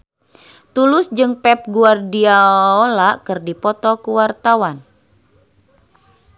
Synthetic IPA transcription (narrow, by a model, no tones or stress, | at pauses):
t̪ulʊsd͡ʒɨŋpɛp̚ɡuardiaolakɨrdipɔt̪ɔkuwart̪awan